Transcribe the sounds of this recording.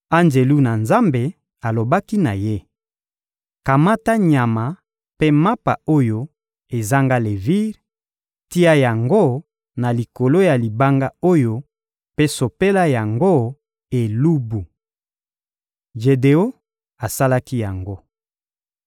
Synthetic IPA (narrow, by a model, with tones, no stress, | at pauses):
a˦nd͡ʒe˨lu˦na˨nza˦mbe˨ | a˨lo˨ba˦ki˦na˨je˦ | ka˨ma˦ta˦ɲa˨ma˨ | pe˦ma˦pa̰˨o˦jo˦ | e˨za˦ŋɡa˦le˨vi˦ʁ | ti˦a˦ja˨ŋɡo˦ | na˨li˨ko˨lo˦ja˨li˨ba˦ŋɡa˦o˦jo˦ | pe˦so˨pe˦la˦ja˨ŋɡo˦ | e˨lu˦bu˨ | ʒe˨de˨o˦ | a˨sa˦la˦ki˦ja˨ŋɡo˦